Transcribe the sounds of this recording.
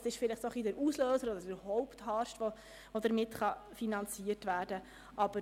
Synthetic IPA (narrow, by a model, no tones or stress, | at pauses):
sɪʃfɪlɪχtsɔχidɪɾusløːsəɾɔd̪ədəɾhɔʊpthɑːɾʃtʋo | ʋod̪əɾmɪtχɑfinɑnt͡siətʋæːɾdə | ʔɑb̥ə